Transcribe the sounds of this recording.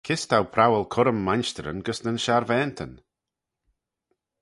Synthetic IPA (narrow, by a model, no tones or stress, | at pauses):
kʰɪst̪ʰawpʰɾawəlˠkʰʊɾəmːanʃt̪əɾə̰nɡəsnənʃaɾvɛːnt̪ʰən